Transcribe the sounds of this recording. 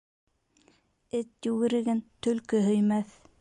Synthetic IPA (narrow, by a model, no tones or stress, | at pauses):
ɘt̪jɵɣɘ̆ɾɘ̆ɡɘnt̪ɵ̆lkɵɦɵ̆jmæθ